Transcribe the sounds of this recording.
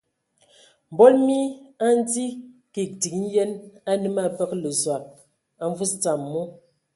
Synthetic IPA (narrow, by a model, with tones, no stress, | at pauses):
m̩˨bɔ˦lmi˦a˦n˦d͡zi˦ki˨k̚ti˨˦n̩˦jɛ˦na˦nɨ˦ma˦˨pə˦klə˨zwa˨k̚ | a˨ɱ˦vu˦st͡sa˨mːu˦